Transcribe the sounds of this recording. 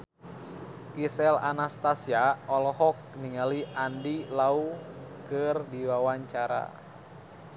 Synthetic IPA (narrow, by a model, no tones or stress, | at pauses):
kisɛla̰nast̪asiaɔlɔhɔk̚niŋaliʔandilaukɨrdiwawaɲt͡ʃaɾa̰